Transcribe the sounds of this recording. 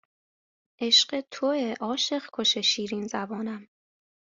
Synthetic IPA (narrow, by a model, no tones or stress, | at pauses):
ʔeʃɢet̪ʰoeʔɒːʃe̞ɢkʰo̞ʃeʃiːɾiːnzæbɒːnæm